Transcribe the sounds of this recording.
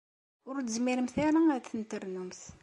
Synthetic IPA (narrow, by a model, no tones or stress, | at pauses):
ʊɾt̪zmiɾəmθaɾaæθənt̪əɾnumθ